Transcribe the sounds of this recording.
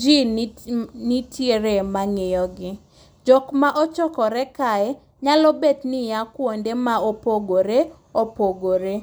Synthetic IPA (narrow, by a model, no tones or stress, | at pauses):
d͡ʒi | nitjeɾemaŋejɔɡɪ | d͡ʒɔkmaʔɔt͡ʃɔkɔɾɛkaɛ | ɲalɔbetnɪjakwondemaopoɡoɾe | opoɡoɾe